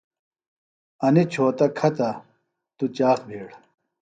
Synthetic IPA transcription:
ɐnit͡ɕʰoːt̪ɐkʰɐt̪ɐ | t̪ut͡ɕaːxbʱeːɽ

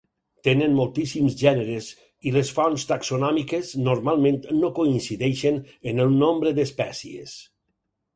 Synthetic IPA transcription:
t̪enənmolˠt̪isimzʒɛneɾez | ilesfɔnst̪aksonɔmikeznoɾmalˠmẽnt̪nokoinsiðɛʃenenəlˠnombɾəd̪əspɛsiḛs

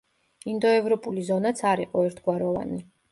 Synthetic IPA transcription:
ind̪ɔɛvɾɔpʼulizɔnat̪sʰaɾiqʼɔɛɾt̪ʰɡwaɾɔva̰ni

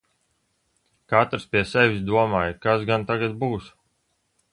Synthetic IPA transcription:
kat̪ɾspʲiɛsɛvʲisd̪uɔmaːjkasɡant̪aɡat̪buːs

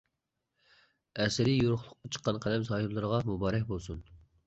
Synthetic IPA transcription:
ɛsɪɾijoɾʊχlˠʊqːɑt͡ʃʰə̥qːɑnqʰælɛmsɑːjulˠɨɾəʁɑmubɑːɾɛkʲbolˠsun

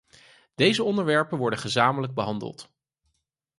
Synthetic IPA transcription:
d̥ejzəɔndəɹʋɛɹpənʋɔɹdəχəzaːmələɡ̚bəɦɑndə̰lˠt

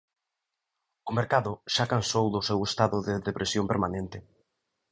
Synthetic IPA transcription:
ʊmeɾkaðʊʃakansowðʊsewest̪aðʊðɪðepɾʔesjompḛɾmanẽnt̪ɪ

